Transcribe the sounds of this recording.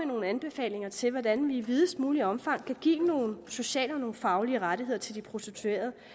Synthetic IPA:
eno̝ːn̩ænb̥e̝fɛ̰ːle̝ŋɐt͡sʰe̝lʋɒdænʋiːʋið̞ˠəsd̥muːliɒ̽mfɑ̈ŋ̰kʰæɡ̥ḭːno̝ːn̩so̝ɕɛ̰ːlɒ̽no̝ːn̩fɑ̈ʊliəʁaɾiheɐt͡sʰe̝ld̥ipʰʁo̝set͡sʰue̝̰ːɐðˠ

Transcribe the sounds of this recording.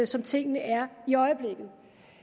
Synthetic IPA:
sɒ̽mt͡sʰe̝ŋ̰nəʔæɐiɒ̽ɪəb̥le̝ɡ̥ð̩ˠ

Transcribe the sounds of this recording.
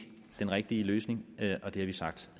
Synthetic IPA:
d̥enʁɛɡ̥̚d̥iəløːsne̝ŋʔɒ̽d̥e̝æɐʋisɑ̈ɡ̥̚d̥

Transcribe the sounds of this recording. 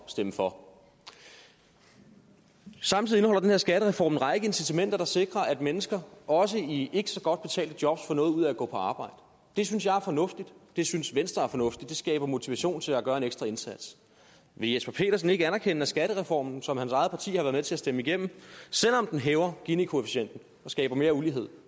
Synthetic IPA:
sd̥eməfɒ̽ | sɑ̈mt͡sʰiðˠe̝nəɒ̽l̰ɐdenheɐ̰sɡ̥æɾəʁɛfɒ̰ːmn̩ʁɑ̈ɪɡ̥əe̝nsit͡sʰæmen̰d̥ɐɾ̥ɑ̈se̝ɡ̥ʁɐʔæd̥menəsɡ̥ɐɒ̽s̬əie̝ɡ̥əsɒ̽ɡ̥ɒ̽d̥̚b̥e̝t͡sʰɛ̰ːldəd̥jɒ̽b̥sfɒ̽nɔ̽ːð̞̩ˠuð̞̰ˠæɡɔ̰̽ːpʰɒ̽ɑ̈ːb̥ɑ̈ɪ̰d̥ə | d̥e̝synsjɑ̈ɪæɐfɒ̽nɔ̽fd̥id̥d̥e̝synsʋensd̥ʁɐæɐfɒ̽nɔ̽fd̥id̥e̝sɡ̥ɛ̰ːb̥ɐmo̝t͡sʰiʋæɕo̝̰ːnt͡sʰe̝læɡ̥ɶɐe̝neɡ̥sd̥ʁɑ̈e̝nsæd̥s | ʋe̝jespʰæpʰe̝̰ːɾ̥ɐs̬n̩e̝ɡ̥əænæɐkʰenæsɡ̥æɾ̥əʁɛfɒ̰ːmn̩sɒ̽mhænsɑ̈ɪð̩ˠpʰɑ̈t͡sʰḭːhɑʋæːɐmet͡sʰe̝æsd̥eməiɡ̥em̰m̩sel̰ɒ̽md̥enɦɛːʊɐɡ̥inikʰo̝efiɕen̰d̥n̩ | ɒ̽sɡ̥ɛ̰ːb̥ɐme̝ːɐuliɦe̝ð̰ˠ

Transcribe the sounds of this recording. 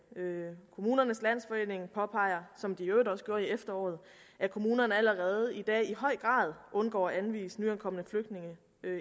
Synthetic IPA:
økʰo̝muːnɐnəslæn̰sfɒ̽e̝̰ːne̝ŋpʰɒ̽pʰɑ̈ɪ̰ɐsɒ̽md̥iødɒ̽sɡ̥jo̝ɐiefd̥ɐɒ̰ːð̞̩ˠ | ʔækʰo̝muːnɐnəæləʁɛːð̞̩ˠid̥ɛ̰ːihɒ̽ɪ̰ɡ̥ʁɑ̰̈ːð̞ˠʔɔ̽nɡ̥ɒ̰ːænʋḭːsnyænkʰɒ̽m̰ənəfløɡ̥d̥̚ne̝ŋə

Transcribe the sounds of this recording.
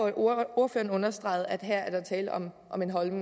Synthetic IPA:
o̝ɐfø̰ːɐn̩ɔ̽nɐsd̥ʁɑ̈ɪð̩ˠæd̥ɦæɐ̰æɐd̥ɑ̈t͡sʰɛːləɒm | ʔɒ̽me̝nɦɒ̽lneŋ

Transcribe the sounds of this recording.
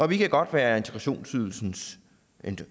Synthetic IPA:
ʔɒ̽ʋikʰæɡ̥ɒ̽d̥ʋæːɐe̝nt͡sʰe̥ɡ̥ʁɑɕo̝̰ːnsyðˠl̩sn̩s | en

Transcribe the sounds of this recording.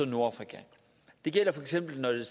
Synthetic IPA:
oðˠno̝ɐɑfʁikʰæ | d̥e̝ɡ̥el̰ɐfɒ̽eɡ̥sem̰b̥l̩nɒd̥e̝s

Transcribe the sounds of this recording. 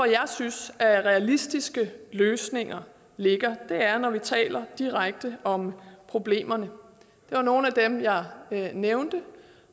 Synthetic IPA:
ɒjɑ̈ɪsynsʔæʁɛælisd̥isɡ̥əløːsne̝ŋɐ | le̝ɡ̥ɐd̥e̝æɐnɒʋit͡sʰɛ̰ːlɐd̥iʁaɡ̥̚d̥əɒ̽mpʰʁo̝b̥le̝̰ːmɐnə | d̥e̝ʋɑ̈no̝ːn̩æd̥emjɑ̈ɪneʊnd̥ə

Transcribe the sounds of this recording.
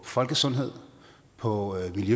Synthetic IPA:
fɒ̽lɡ̥əsɔ̽nɦe̝ð̞̰ˠ | pʰɒ̽miljø

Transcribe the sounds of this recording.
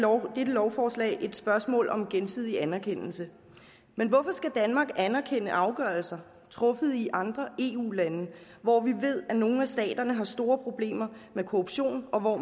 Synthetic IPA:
d̥ed̥əlɒʊfɒːslɛ̰ɪʔe̝d̥sb̥ɶɐsmɔ̰ːlʔɒ̽mɡ̥ensið̰ˠiænæɐkʰen̰l̩sə | menʋɒ̽fɒsɡ̥æd̥ænmɑ̈ːɡ̥ænɐkʰenəʔɑ̈ʊɡ̥ɶːɐlsɐ | t͡sʰʁɔ̽fəð̞̩ˠiʔɑ̈nd̥ʁɐe̝ːṵːlænə | ʋɒʋiʋe̝ð̰ˠæno̝ːn̩æsd̥ɛ̰ːd̥ɐnəɦɑ̈sd̥o̝ːɐpʰʁo̝b̥le̝̰ːmɐmekʰoʁub̥ɕo̝̰ːnɒ̽ʋɒ

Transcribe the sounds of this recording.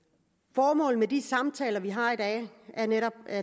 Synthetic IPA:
fɒːmɔ̰̽ːln̩med̥isɑ̈mt͡sʰɛ̰ːlɐʋiɦɑ̈id̥ɛ̰ːæɐneɾɒ̽b̥̚æ

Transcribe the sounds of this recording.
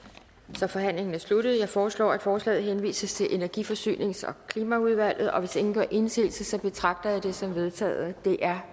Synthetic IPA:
sɒ̽fɒ̽ɦæn̰le̝ŋn̩æɐslud̥əð̞̩ˠjɑ̈ɪfɒːslɒ̰ːæd̥fɒːslɛ̰ːð̩ˠɦenʋḭːsəst͡sʰe̝lʔe̝næɐɡ̥ifɒ̽sy̰ːne̝ŋsɒ̽kʰliːmæuð̞ˠʋæl̰ð̞̩ˠɒ̽ʋe̝sd̥e̝ŋn̩ɡɶɐ̰ʔe̝nse̝̰ːlsəsɒ̽b̥e̝t͡sʰʁɑ̈ɡ̥̚d̥ɐjad̥e̝sɒ̽mʋe̝ð̞ˠt͡sʰɛ̰ːð̩ˠd̥e̝ʔæɐ

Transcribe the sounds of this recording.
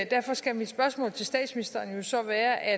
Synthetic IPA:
d̥æɐ̰fɒ̽sɡ̥æmid̥sb̥ɶɐsmɔ̰̽ːlt͡sʰe̝lsd̥ɛ̰ːd̥sminisd̥ɐnjo̝sɒ̽ʋæːɐʔæ

